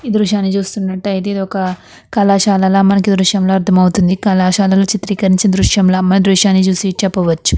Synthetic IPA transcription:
iːd̪ɾuʃjaːnːit͡ʃuːst̪unːɐʈːɐjit̪eːd̪iɔkɐ | kɐlaːʃaːlɐlaːmɐnɐkid̪ɾuʃjɐmloːɐɾt̪ʰɐmɐwut̪und̪ikɐlaːʃaːlɐloːt͡ʃit̪ɾiːkɐɾiɲt͡ʃid̪ɾuʂjɐmlaːmɐnɐd̪ɾuʂjaːnːit͡ʃuːsit͡ʃɛpːɐʋɐt͡ʃːu̥

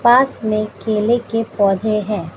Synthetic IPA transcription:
paːsmẽkkeːlekepɔːd̪ʱeɦɛ̃ː

